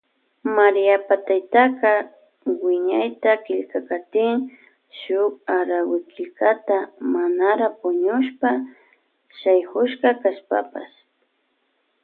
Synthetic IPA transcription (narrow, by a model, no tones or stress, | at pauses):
maɾɪjapat̪ajt̪aka | wɪɲajt̪akɪʎkakat̪ɪŋ | ʃʊk̚aɾawɪkɪʎkat̪amanaɾapʊɲʊʃpa | ʃajhʊʃkakaʃpa̰pa̰s